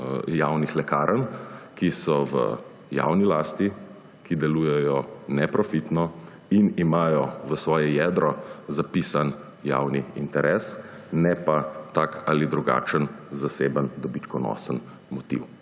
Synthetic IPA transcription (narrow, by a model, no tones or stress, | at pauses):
jawnixlɛkaːɾʔənkisɔʋə̰ | ja̰wnilaːst̪i | kid̪ɛlujɛjɔnɛpɾɔfit̪nɔ | inimaːjɔʋəsʋɔːjɛjɛd̪ɾɔzapiːsan | ja̰wniint̪ɛɾʔɛːs | nɛpat̪akalid̪ɾuɡa̰t͡ʃənzaseːbənd̪ɔbit͡ʃkɔnɔ̰sən | mɔt̪ḭw